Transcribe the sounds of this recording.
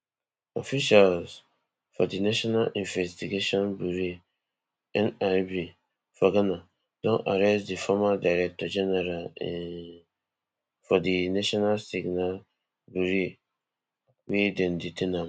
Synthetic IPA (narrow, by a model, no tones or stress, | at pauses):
ɔfiʃals | fɔdinaʃɔnalĩnvɛstiɡeʃɔ̃nbuɾi | ɛ̃nabi | faɡanã | d̥ɔ̃na̰ɾɛstdifɔmadaɾɛk̚tʰɔd͡ʒɛnɛɾalɛn | fɔdinaʃɔnalsiɡnal | buɾi | wedɛ̃nditʰɛnãm